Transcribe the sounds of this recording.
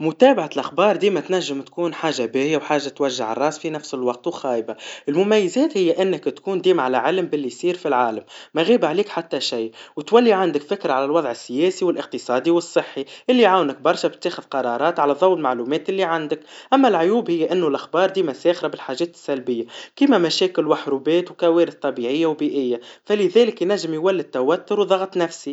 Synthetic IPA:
mʊt̪æːbaʕalʔaxbɑːɾˤd̪iːmæt̪naʒːɪmt̪kuːnħaːʒabɪːjawħaːʒːat̪waʒːaʕɑ̰rˤːɑːsfinafsɪlwɑq̚t̪wxɑːʔbaʔɪlmʊmajːɪzɛːt̪hɪjːaʔɪnːɪkt̪kuːnd̪iːmʕalaʕɪlmbɪlːijsˤiːɾfilʕaːlamːæjɣiːbʕaliːkħat̪ːaʃajwt̪walːiʕand̪ɪkfɪkɾaʕalalwɑðˤʕɪsːɪjɛːsiwɪlʔɪq̚t̪ɨsˤɑːd̪iwɨsˤːɨħːiʔɪlːiʕawnək̚bɑɾˤʃæbt̪ːeːxəðqɑɾˤɑːɾˤɑːt̪ʕalæðˤɑwːəlmaʕluːmɛːt̪ʔɪlːiʕand̪əkʔæmːælʕʊjuːbhɪjːæʔɪnːʊlʔaxbɑːɾˤd̪iːmæsɛːxɾabɪlħaːʒɛːt̪əsːælbɪjːakimæmæʃɛːkɪlwaħɾubɛːt̪wkæwɛːɾɪθt̪ˤɑbiʕɪjːawbiːʔɪjːafælɪðɛːləkjnæʒːɪmjwælːit̪ːæwæt̪ːʊɾwðˤɑɣt̪ˤnæfsi

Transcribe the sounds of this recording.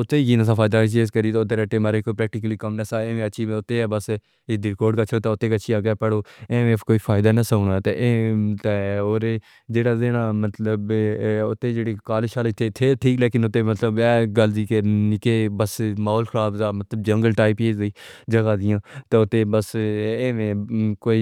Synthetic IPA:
ʊt̪ːeːɡiːnəsaːfʰaːɪd̪aːt͡ʃieskəɾiːt̪ːʊt̪ːeːɾɛːʈːeːmaːɾekoːpɾɛːk̚ʈɪk̬əliːkəmnəsaːẽːmẽəːʃʰiːʊt̪ːeːɛːbəs | ɪd̪iɾkoːɖkat͡ʃʰoːt̪aʊt̪ːeːkətːt͡ʃʰiaːɡɛːpəɽoːẽːmːfkoːiːfʰaːɪd̪aːnəsəːɳaːt̪eʔt̪eoːɾe | d͡ʒeːɽaːzeːnaːmət̪ləbʊt̪ːeːd͡ʒeːɽikaːleʃaːlet̪ʰet̪ʰeːʈʰiːkleːkɪnʊt̪ːeːmət̪ləbɛːɡəlziːkenɪkeːbəsmaːɦoːlxʰəɾaːbzaːmət̪ləb̚d͡ʒə̃ŋɡəlʈaːipeːziːd͡ʒəɡaːd̪ɪjãːt̪eːʊt̪ːeːbəsẽːmẽːkoːi

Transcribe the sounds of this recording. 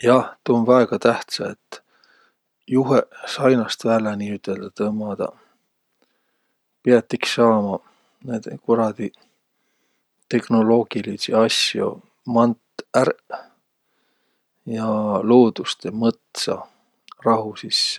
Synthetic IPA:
jɑht̪uːnvɑeɡ̥ɑt̪æht̪sɑet̪ːˑ | juɦesɑjnɑst̪væːlɑniyt̪ːˑe̞ld̪̥ɑt̪ɤmɑd̪̥ɑ̰ | piɑt̪ːˑiksːɑːmɑ | neːd̪̥ekoɾɑd̪̥i | t̪e̞kno̞lo̞ːɡ̥ilisiɑsjo̞̰ | mɑnt̪ær | jɑlo̞ːd̪̥ust̪emɤt̪sɑ̰ | rɑɦusisː

